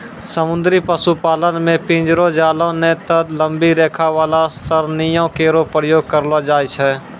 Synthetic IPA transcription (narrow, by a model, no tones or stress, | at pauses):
səmʊ̃nd̪ɾipəsupaːlənmẽpɪ̃ːd͡ʒɾod͡ʒaːlõnet̪əd̪lə̃mbiɾɛːkʰaʋaːlasəɾnijõkeːɾopɾəjoːɡ̚kəɾlod͡ʒaːjt͡ʃʰɛː